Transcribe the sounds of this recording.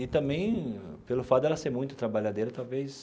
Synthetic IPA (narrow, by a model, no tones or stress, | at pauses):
ɪt̪ɐ̃mbẽj̃pelʊfat̪d̪ɛlɐseɾmũj̃t̪ʊt̪ɾabaʎad̪eɾɐt̪awves